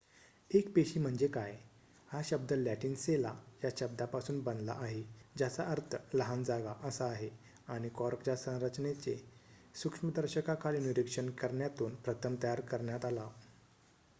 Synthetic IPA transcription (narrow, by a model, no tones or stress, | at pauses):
ekpeɕiːm̤əɳd͡zekaj | haɕəb̚d̪əlæʈiːnsela̰jaɕəb̚d̪apasuːnbənd̪la̰ʔaɦed͡ʑat͡saʔəɾt̪ʰələɦand͡zaɡaʔəsaːɦe | aɽ̃ikɔɾpd͡ʑasə̃w̃ɾət͡ɕnet͡sesukʂməd̪əɾɕəkakʰaliniɾikʂənkəɾɳjat̪uːnpɾət̪ʰəmt̪əjaɾkəɾɳjat̪ala